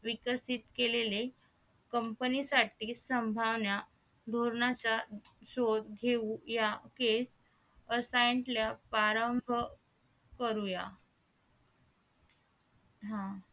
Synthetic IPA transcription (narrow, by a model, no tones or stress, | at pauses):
ʋikəsit̪kelele | kəmpənisaʈiːsəmbʱaʋnja | d̪ʱoɾɳat͡ɕaɕod̪ɡʱeũjakes | əsaɳʈljapaɾəmbʱə | kəɾuja | ɦã